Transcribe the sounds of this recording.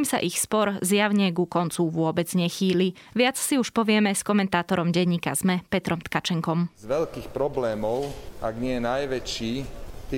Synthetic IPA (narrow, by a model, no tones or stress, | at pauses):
iːmsa̰ʔixspɔɾzjaʊɲɛɡukɔnt͡suʋʊɔbɛd͡zɲɛxiːliʋɪat͡ssiuʃpɔʋɪɛmɛskɔmɛnt̪aːt̪ɔɾɔmɟɛɲːiːka̰zmɛpɛt̪ɾɔmt̪kat͡ʃɛŋkɔmzʋɛʎkiːxpɾɔblɛːmɔʊa̰ɡɲɪɛjɛnajʋɛt͡ʃiːt̪i